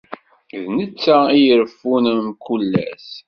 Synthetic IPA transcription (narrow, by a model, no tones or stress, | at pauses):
ðnət͡sːæijəɾfːunəmkulːæ̰s